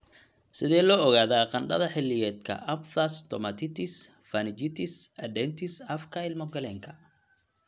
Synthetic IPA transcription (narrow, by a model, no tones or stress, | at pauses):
sɪðɛːlɔːɣaːðaːqɑnɖɐ̰ðɐħɪlːɪjɛːd̪kʰɐ̰ʔɐbfɐst̪ʰɔmɐt̪ʰɪt̪ʰɪs | fɐnɪt͡ʃɪt̪ʰɪsɐd̪ɛnt̪ʰɪsɐfkʰɐɪlmɔɡɐlɛːŋkʰɐ̥